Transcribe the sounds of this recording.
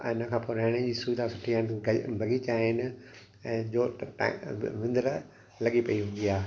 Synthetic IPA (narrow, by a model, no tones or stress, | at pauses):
ɪnəkʰãːpoːɾaːɪɽ̃ẽd͡ʑiːsud̪asʊʈʰianbʱɐɡit͡ɕaːɦɪnɪ̆ | ɛ̃ːd͡ʑo̰ː | ʋɪ̃nd̪əɾ | lɐɠipɐiɦũːn̆d̪iaː